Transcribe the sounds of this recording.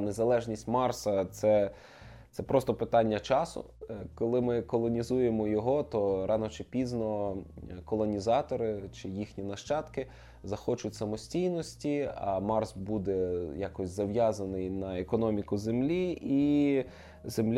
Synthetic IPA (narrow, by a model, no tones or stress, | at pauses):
nezɐlˠɛʒnʲisʲtʲmɑrsɐt̪sɛ | t̪sɛpɾʔɔst̪ɔpɪt̪ɑnʲːɐt͡ʃɑsʊ̰kɔlˠɪmɪkɔlˠɔnʲizujemɔjɔɦɔt̪ɔɾɑnɔt͡ʃɪpʲiznɔ | kɔlˠɔnʲizɑt̪ɔɾɪt͡ʃɪjixnʲinɐʃt͡ʃɑt̪kɪ | zɐxɔt͡ʃʊtʲsɐmɔsʲtʲijnɔsʲtʲiɐ̰mɑrsbud̪ɛjɑkɔsʲzɐwjɑzɐnɪjnɐekɔnɔmʲikʊzemlʲii | zemlʲ